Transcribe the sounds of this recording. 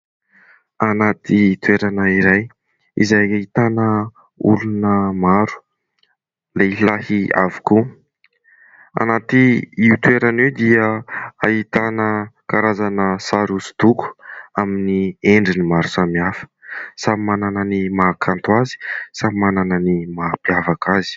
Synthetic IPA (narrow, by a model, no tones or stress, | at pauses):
anat̪ʰit̪ueɾanəiɾaj | ḭzajaɦit̪anə | ulunəmaɾu̥ | leilahia̰vu̥ku | a̰nat̪iiut̪ueɾanewd̪iəahit̪anəkaɾazanəsaɾusu̥d̪̥uku̥aminieɳɖ͡ʐinimaɾu̥samiafə̥samimanananimakʰant̪wazi̥sammanananimapiavakazi̥